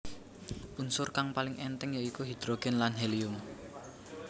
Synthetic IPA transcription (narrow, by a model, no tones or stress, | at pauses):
ʔunsʊrkaŋpalɪŋʔɛnt̪ɛŋjaikuɦid̪̥ɾoɡ̥ɛnlanɦɛlijʊm